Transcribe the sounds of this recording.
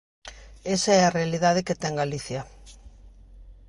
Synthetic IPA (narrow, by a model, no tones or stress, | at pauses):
esaɛarealiðað̞eket̪ɛŋɡaliθjɐ